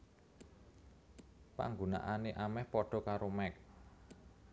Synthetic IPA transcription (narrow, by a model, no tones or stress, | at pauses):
pa̰ŋɡona̰ʔaneʔamɛhpɔɖ̥ɔ̤kaɾomɛk̚